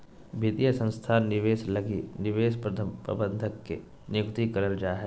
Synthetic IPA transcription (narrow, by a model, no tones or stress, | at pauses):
bʱit̪ijəsə̃nst̪ʰaːnɪʋeːslɐɡinɪʋeːʃpɾət̪ʰəpɾə̰bə̃nd̪ʱəkːḛ | njʊkt̪ikɐɾəld͡ʒaːɦɛː